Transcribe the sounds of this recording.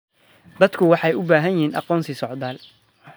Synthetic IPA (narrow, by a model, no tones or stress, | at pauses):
d̪ɐd̪kʰʊwɑħɑjʊbaːɦɐnjɪhiːnʔɑ̰qɔːnsɪsɔʕd̪aːl